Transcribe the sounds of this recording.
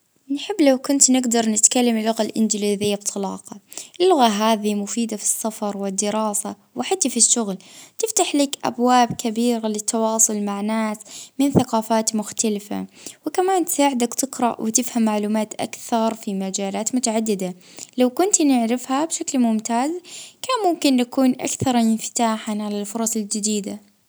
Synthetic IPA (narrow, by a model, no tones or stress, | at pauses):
nħɪbːlawkʊnt̪nɪɡd̪ɑɾˤnɪt̪kalːamɪlːʊɣalʔɪnd͡ʒɪliðɪjːab̚t̪ˤʰɑlɑ̰ːqɑʔɪlːʊɣaɦaːðimʊfiːd̪afi̥sːafɑɾˤwɪd̪ːɪɾɑːsa | wɪħat̪ːafiʃːʊɣlt̪ɪft̪aħlɪkʔa̰bwaːbkabiːɾalɪt̪ʰːɑwɑːsˤʊlmaʕnaːsmɪnθaqɑːfaːt̪mʊxt̪alɪfa̰wɪkamaːnt̪ɪ̥saːʕɪd̪akt̪ɪqɾa̰ʔwɪt̪ɪfhamːaʕluːmaːt̪ʔa̰kθɑɾˤfimad͡ʒaːlaːt̪mʊt̪aʕad̪ːɪd̪a | lawkʊnt̪nɪʕɾɪfhabʃaklmʊmt̪aːzkaːmʊmkɪnːakuːnʔa̰kθɑɾˤɪnft̪aːħaʕalalfʊɾˤɑsˤɪld͡ʒɪd̪iːd̪a